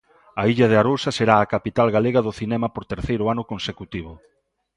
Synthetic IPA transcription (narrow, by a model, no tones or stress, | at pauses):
ɐiʎɐð̞eaɾowsɐseɾaːkapit̪alɣaleɣɐðʊθinɛmɐpoɾt̪eɾθejɾʊanʊkonsekut̪iβʊ